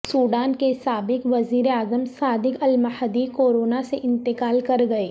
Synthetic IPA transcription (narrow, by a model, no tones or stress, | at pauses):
suːɖaːnkesaːbɪkʋɐziːɾeaːzəmsaːd̪ɪkɐlməhəd̪ikoːɾoːnaseʔɪ̃nt̪ɪkaːlkɐɾɡɐeː